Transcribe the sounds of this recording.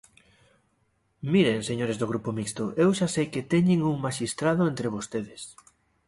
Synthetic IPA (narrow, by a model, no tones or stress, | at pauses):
miɾeŋseɲoɾezðoɣ̞ɾupomikst̪oʔewʃasejkɪt̪ɛɲɪŋuŋmaʃist̪ɾaðʊent̪ɾɪβ̞ost̪eðɪs